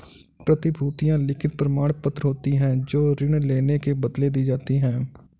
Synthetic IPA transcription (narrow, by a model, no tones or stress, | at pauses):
pɾət̪ɪbʱuːt̪ɪjãlɪkʰɪt̪̚pɾəmaːɽ̃pət̪ɾɦoːt̪iɦɛ̃ːd͡ʒoːɾɪɳ̃leːnekebəd̪led̪iːd͡ʒaːt̪iɦɛ̃ː